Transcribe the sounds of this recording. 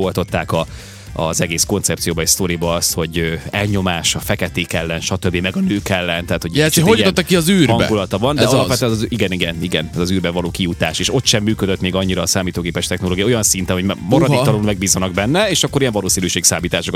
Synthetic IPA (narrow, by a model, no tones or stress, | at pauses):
olt̪o̞t̪ːaːkɒ | ɒ̰zɛɡeːsko̞nt̪sɛp̚t̪sijoːbɒeʃst̪o̞ɾibɒɒst̪ho̞ɟøɛlɲo̞maːʃɒfɛkɛt̪eːkɛlːɛnʃɒt̪øbːimɛɡɒnøːkɛlːɛnt̪ɛaːt̪hoɟɛout̪oːɒkiɒzyːɾhɒbɛɡulɒt̪ɒvɒnd̪ɛɒɒlɒpʋɛt̪ɛnɛziɡɛniɡɛniɡɛnɛzɒzyːrbɛvɒloːkijut̪aːʃeːʃo̞t̪ʃɛmːyːkød̪øt̪meːɡɒɲːiɾɒːsaːmiːt̪oːɡeːpɛʃt̪ɛxno̞loːɡijɒojɒnsint̪ɛnɦo̞ɟmmoɾɒd̪iɒlonmɛɡ̚biːzɒnɒɡ̚bɛnːɛeːʃɒkːo̞ɾijɛɱvɒloːsiːnyːʃeːksaːmiːt̪aːʃok